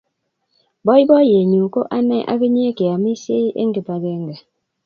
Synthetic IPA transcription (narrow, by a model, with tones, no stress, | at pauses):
bɔ˦i˦bɔ˦je˨ɲu˨ko˦ʔa˦nɛ˦ʔa̰˦ke˦ɲe˦e˦ke˨a˨mi˦se˦ʔḛ˦ŋ̩˦ɡe˨pa˨ɡe˦˨ŋ̩˦ɡe˨